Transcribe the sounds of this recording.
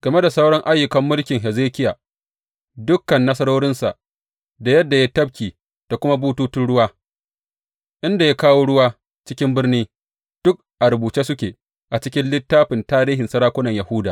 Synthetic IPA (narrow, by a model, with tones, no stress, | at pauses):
ɡɐ˨me˦da˨sɐ˦wɽɔ˦ŋʔa˦jːʊ˨kɐ˦mːʊ˦lkʲɪ˨ŋɦɛ˨zeː˦kʲɪ˦jaː˨ | dʊ˦kːɐ˨nːɐ˦sɐ˦ɽoː˦ɽɪ˦nsa̰˨ʔ | da˨jɐ˦dːa˨jaː˦tɐ˦b̚kʲiː˨ | d̥a˨kʷʊ˦ma˦buː˦tuː˦tɪ˦nɽʊ˦waː˦ | ʔɪ˦nda˨ja˦kaː˦woː˦ɽʊ˦waː˦ | t͡ʃɪ˦kʲɪ˦mbɪ˦rniː˦ | d̥ʊ˦k̚ʔa˨ɾʊ˨buː˨t͡ʃeː˦sʊ˦kʲeː˨ | ʔa˨t͡ʃɪ˦kʲɪ˦nlɪ˦tːaː˦ɸɪ˨ntaː˦ɾiː˦ɦɪ˨nsɐ˦ɾaː˦kʷʊ˦nɐ˨ɲjɐ˨hʊ˦da̰ː˨